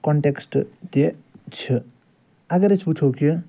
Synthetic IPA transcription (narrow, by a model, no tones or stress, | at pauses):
kɔɳʈeksʈt̪et͡sʰʌ | aɡʌɾet͡sʰput͡sʰoki